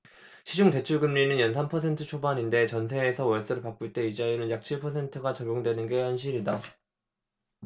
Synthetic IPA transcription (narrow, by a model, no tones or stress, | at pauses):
ɕʰid͡ʑuŋte̞t͡ɕʰuɭɡɯmɲinɯnjʌnsʰampʰʌsʰe̞ntʰɯt͡ɕʰobaɲinde̞t͡ɕʌns̬ʰe̞ːsʰʌwʌɭs͈ɯɾɯɭpak͈uɭt͈e̞id͡ʑainɯnjak̚t͡ɕʰiɭpʰʌsʰe̞ntʰɯɡat͡ɕʌɡoŋdwe̞nɯnɡe̞hʌnɕʰiɾida